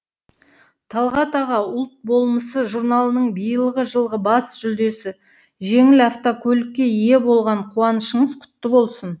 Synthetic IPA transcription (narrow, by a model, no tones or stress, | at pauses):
t̪ʰɑlˠʁɑt̪ɑʁɑʊlˠt̪̚bo̞lˠməsəʒuɾnɑlˠənəɴbijəlˠʁəʒəlˠʁəbɑsʒ̥ʏld̪e̞sɪ | ʒe̞ŋɪlɑft̪okʰɵlɪkʲːe̞ije̞bo̞lˠʁɑɴqʰuɑnəʃəɴəzqʰʊ̥t̪ːəbo̞lˠsən